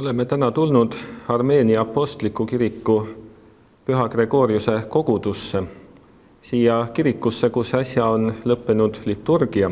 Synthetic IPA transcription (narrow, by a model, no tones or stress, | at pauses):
o̞le̞me̞t̪ænɑt̪ulnud̪̥ɑrme̞ːniɑpːo̞st̪likːˑukiɾikˑːu | pyɦɑkre̞ɡ̥o̞ːɾjuse̞ko̞ɡ̥ud̪̥usːe̞ | siːjɑkiɾikːˑusːe̞kusɑsʲjɑo̞nlɤpːe̞nud̪̥lit̪ːurɡ̥iɑ